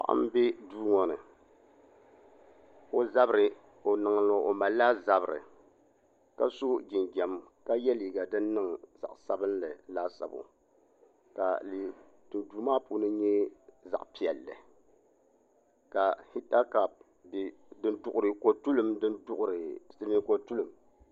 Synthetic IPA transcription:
pa̰˦˨ʔa̰˦m˦bɛ˦duː˦ŋɔ˨nɨ˨ | o˦za˦bɾɨ˨ | o˨nɨ˨ŋ˨lo˨o˨ma˨lːa˦za˦bɨ˨ɾɨ̰˨ | ka˦so˦ɡi˨nɡɛ˨mka˦jɛ˦liː˨ɡa˨dɨ˦nːɨ˦ŋza̰˨ʔsa˦bɨ˦nlɨ˨laː˦sa̰˨bo̰˨ | ka̰˨liː˨ | tu˨nduː˨maː˦pu˦nɨ˦ɲɛ˦za̰˨ʔpi˨ɛ˨lːɨ̰˨ | ka˨hi˦ta˦ka˨p̚ | b | dɨ˦ndʊ˨ʔʊ˨ɾɨ˨ko˨tu˦lɨ˦mdɨ˦ndʊ˦ʔʊ˨ɾɨ˨sɨ˦ni˦ko˨tu˦lɨ˨m

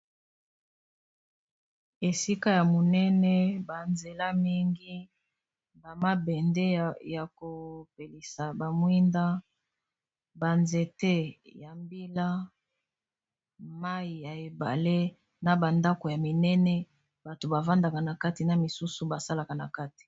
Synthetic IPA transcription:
e˨si˦ka˦ja˨mo˨nɛ˦nɛ˦ba˨nze˨la˦mi˦ŋɡi˦ | ba˨ma˦bɛ˨nde˦ja˨ko˨pe˨li˨sa˨ba˨mwi˦nda˦ | ba˨nze˨te˦ja˨mbi˦la˦ | ma˦i˨ja˨e˨ba̰˨le˦ | na˨ba˨nda˦ko˨ja˨mi˨nɛ˦nɛ˦ | ba˨to˨ba˨va˦nda˨ka˨na˨ka˦ti˨na˨mi˨su˦su˦ba˨sa˦la˨ka˨na˨ka˦ti̥˨

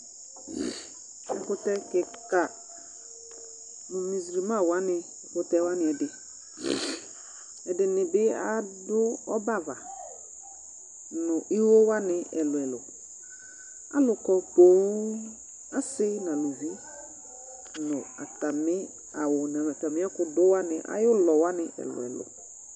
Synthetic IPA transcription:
ʊ˨kʊ˦tɛ˦kɪ˨ka˨ | nʊ˨mi˨zɾi˨mã˦˨wa˦nɪ˨kʊ˨tɛ˦wa˦nɪ˨ɛ˨dɪ˨ | ɛ˨dɪ˨nɪ˨bɪ˦a˦dʊ˦ɔ˦ba˦˨va˨ | nʊ˨ʔi˦wo˦wa˦nɪ˨ɛ˨lʊ˨ɛ˨lʊ˨ | a̰˦lʊ˨kɔ˨po˨˦ | a˦sɪ˦nã˨lu˨ɦi˦ | nʊ˨a̰˨ta˨mɪ˦ | a˨wʊ˨na˨a˨ta˨mɪ˦a˦kʊ˨dʊ˦wa˦nɪ˨ʔa̰˦jʊ˦lɔ˨wa˦nɪ˨ɛ̰˨lʊ̰˨ɛ̰˨lʊ̰˨

